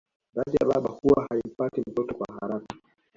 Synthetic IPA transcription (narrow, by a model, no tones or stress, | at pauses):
ðaɗija̰ɓa̰ɓa̰huwahaim̩patim̩tɔtɔkwahaɾaka